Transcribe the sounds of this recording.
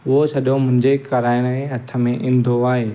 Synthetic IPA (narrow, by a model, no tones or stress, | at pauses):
ʊɦosʰɐɗomʊ̃ɦɪ̃ɲd͡ʑekɐɾaːɪɽ̃ɦeɦɐt̪ʰə̆mẽʔɪ̃n̆d̪ʱoaːɦeː